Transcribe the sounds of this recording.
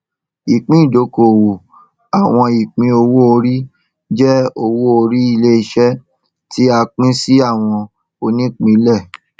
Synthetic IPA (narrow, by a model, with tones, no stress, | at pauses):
i˨k͡pĩ˦i˦˨do˨˦ko˨wo˨ | a˨w̃ɔ̃˧i˨k͡pĩ˧o˧wu˦o˧ɾi˦ | d͡ʒɛ˦o˧wo˦o˧ɾi˦i˧le˦i˧ʃɛ˦ | tʰi˦a˧k͡pĩ˦si˦a˦˨w̃ɔ̃˧ | o˧nĩ˦k͡pĩ˨˧˦lɛ˦˨